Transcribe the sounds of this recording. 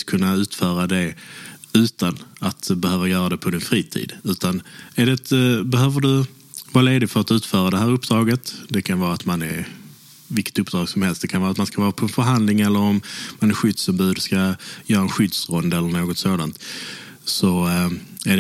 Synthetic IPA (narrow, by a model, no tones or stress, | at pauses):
kʰɵnːaʉ̟ːt̪fœːɾad̪ɛ | ʉ̟ːt̪anat̪bɛhøːvajœːɾad̪ɛpʰɔd̪ɪnfɾiːt̪ʰḭːd̪ʉ̟ːt̪anæɖɛt̪bɛɦøːvəɖɵ | vɑːleːd̪ɪt̪fœɾat̪ʉːt̪fœːɾad̪ɛɦæːɾɵpːd̪ɾɑːɡət̪d̪ɛkʰanvɑːɾat̪manɛɾ | vɪlkə̥t̪ɵpːd̪ɾɑːɡsɔmhɛlst̪d̪ɛkʰanvɑːɾat̪manskavɑːɾapʰɔɛnfəɾɦand̪lɪŋɛlːəɾɔmmanɛæɧʏd̪sɔmbʉːd̪ɵskajœːɾaɛnɧʏd̪sɾɔnd̪ɛlːəɾɳoːɡɔt̪soːd̪ant̪ | sɔ | æɖ